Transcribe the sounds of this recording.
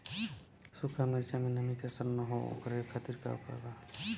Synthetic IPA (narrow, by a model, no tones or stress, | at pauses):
sukʰameɾsamenəmikasəɾnəɦoo̰kɾkʰat̪iɾka̰ṵka̰ɡa